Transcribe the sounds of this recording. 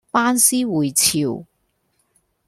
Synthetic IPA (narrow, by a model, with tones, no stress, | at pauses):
paː˥nsiː˥wuː˨˩jt͡sʰiː˨˩w